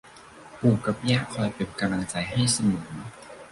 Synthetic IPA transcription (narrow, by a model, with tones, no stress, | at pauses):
puː˨˩kːa˨˧˩p̚jaː˥˩kʰɔː˧jpe˨˧˩p̚ka˧mla˧ŋt͡ɕa˧jɦa˥˩jsa˧mɯː˨˩˦